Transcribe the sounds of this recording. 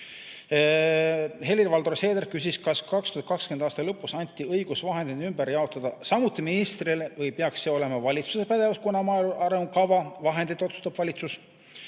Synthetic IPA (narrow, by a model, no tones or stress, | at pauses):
he̞liɾvɑld̪oseːd̪erkysʲiskɑskɑkst̪uhɑt̪kɑkskyend̪ɑːst̪ɑlɤpːˑusɑnʲt̪ʲːˑiɤjɡ̥usvɑɦe̞nd̪inymbæɾjɑo̞t̪ːˑɑd̪̥ɑsɑmut̪ːˑiminist̪rilvɤjpeɑksːe̞o̞le̞mɑvɑlʲit̪su̥sepæd̪̥e̞vɑskunɑmɑluʔɑɾemukɑvɑvɑɦe̞nd̪it̪ːˑo̞t̪su̥st̪ɑb̥vɑlʲit̪sus